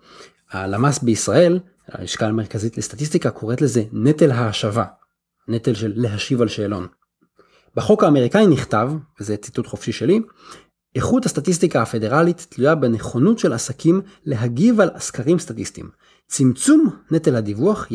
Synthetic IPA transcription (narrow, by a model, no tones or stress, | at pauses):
halamasbeisʁae̞l | a̰miʃkalmeʁkazitlestatis̬t̪ikakʰo̞ʁetle̞ze̞ne̞telɦaːʃava | ne̞telʃe̞lːeɦaʃivalʃeːlo̞n | beχo̞kaːme̞ʁikainiχtavvezet͡si̥tutχo̞fʃiʃe̞li | eχuthast̪atis̬tikahafe̞de̞ʁalitːlujabene̞χo̞nutʃelasakʰimle̞ɦaɡivalaskaʁimst̪atistḭm | t͡simt͡sumnetelhadivuaχ